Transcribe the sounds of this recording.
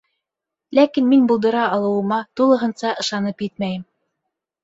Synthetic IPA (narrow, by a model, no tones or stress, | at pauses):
lækinminbulˠd̪ɤ̆ɾɑɑlˠɤ̆wɤ̆mɑt̪ulˠɤ̆ɦɤ̆nsɑʔɤ̆ʃɑnɤpjɘt̪̚mæjɘm